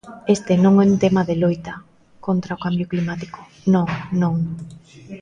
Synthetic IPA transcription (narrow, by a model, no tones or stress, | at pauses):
est̪enõŋɛunt̪emaðelujt̪ɐ | kont̪ɾaokambjʊklimat̪ikʊ̥ | nõŋnõŋ